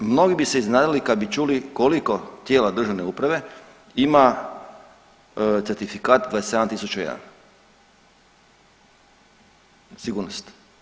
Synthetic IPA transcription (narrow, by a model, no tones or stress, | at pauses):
mno̞ɡibise̞iznaːd̪ilikad̪bit͡ʃulikoliko̞t̪je̞ːlad̪r̩ʒaʋne̞uːpɾaʋe̞ | ima | t̪seɾt̪ifikaːt̪d̪ad̪esjed̪ant̪isut͡ʃujḛd̪a̰n | siɡuːɾnost̪